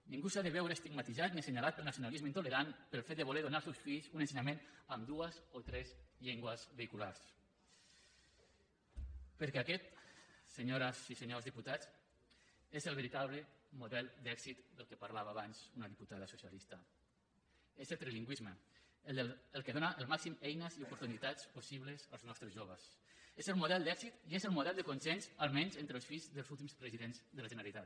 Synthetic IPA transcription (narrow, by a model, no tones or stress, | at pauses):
niŋɡusaðeβɛwɾest̪iɡmat̪izat̪̚niseɲalat̪̚pelnasjonalizmeint̪uleɾanpelˠfet̪̚d̪eβuleɾðunalsewsfiʎzunẽnseɲamẽnamd̪uəzot̪ɾɛzʎeŋɡwəzβeikulaɾs | pəɾkɛakɛt̪seɲoɾasiseɲozðiput̪at͡s | ezelβeɾit̪aβlemuðɛlˠd̪ɛksit̪d̪əlˠkepaɾlaβaːβanzunəðiput̪aðəsusialist̪ɐ | ezelt̪ɾeliŋɡwizmə | elˠkeðonaʔəlˠmaksimɛjnəziupuɾt̪unit̪at͡sposiβləzəlˠznɔst̪ɾəzʒoβ̞əs | ezəlˠmuðɛlˠd̪ɛkzit̪iezəlˠmuðɛlˠd̪əkunsɛnzəlˠmɛnzent̪ɾəlˠsfizðəlˠzulˠt̪imspɾəziðenzðəlaʒəneɾlit̪at̪